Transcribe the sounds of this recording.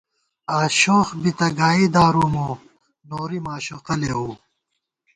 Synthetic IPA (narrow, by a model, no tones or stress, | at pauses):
aːɕoːxbit̪ɐɡaːid̪aːɾumo | noːɾimaːɕoqɐleɦuː